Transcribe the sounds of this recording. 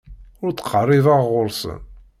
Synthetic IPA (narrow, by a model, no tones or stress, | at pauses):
ʊɾt͡sːqʰərˤːɪðɑʁʁʊɾsə̰n